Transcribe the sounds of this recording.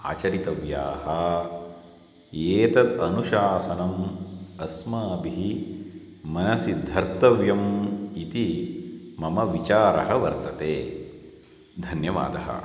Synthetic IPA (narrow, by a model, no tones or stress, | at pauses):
a̰ːt͡ʃɐɾit̪ɐʋjaːhɐ | eːt̪ɐd̪ɐnuʃaːsɐnɐmɐsmɐbiɦi | mɐnɐsid̪ʱːɐɾt̪ɐʋjɐmit̪i | mɐmɐʋit͡ʃaːɾɐɦɐʋɐɾt̪ɐt̪eː | d̪ʱɐnjɐʋa̰ːd̪ɐɦɐ̰